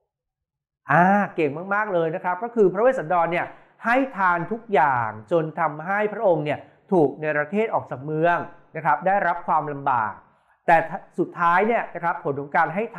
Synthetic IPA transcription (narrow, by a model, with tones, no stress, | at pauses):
ʔaː˧˩ke˨˩ŋmaː˥˩k̚maː˥˩k̚lɤː˧jna˦˥kʰɾa˦˥p̚kɔː˥˩kʰɯː˧pʰɾa˦weː˥˩sa˩˦ndɔː˧nːi˥˩ɐ | ha˥˩jt̪ʰaː˧nt̪ʰu˦˥k̚jaː˨˩ŋt͡ɕo˧nt̪ʰa˧mɦa˥˩jpʰɾa˦˥ʔo˧ŋni˥˩ɐ | t̪ʰuː˨˩k̚na˧jpɾa˧t̪ʰeː˥˩t̪̚ʔɔː˨˩k̚t͡ɕaː˨˩k̚mɯ˧əŋna˦˥kʰɾa˦˥p̚daː˥˩jɾa˦˥p̚kʰwaː˧mla˧mba̰ː˨˩k̚ | t̪ɛː˨˩t̪ʰsu˨˩t̪ʰːaː˦˥jni˥˩ɐna˦˥kʰɾa˦˥pʰːo˩˦nkʰɔ˩˦ŋkaː˧nɦa˥˩jt̪ʰ